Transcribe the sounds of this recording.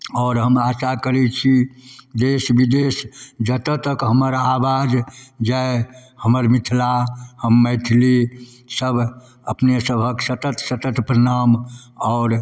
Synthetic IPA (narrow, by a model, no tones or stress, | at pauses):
ɔːɾɦəmasakəɾɛt͡ʃʰid̪esbid̪esd͡ʒət̪ət̪əkɦəməɾabad͡ʒd͡ʒaehəməɾmit̪ʰlahəmːəɪt̪ʰli | səbʱ | əpnesəbʱəksət̪ət̪sət̪ət̪pɾənam | ɔʊɾ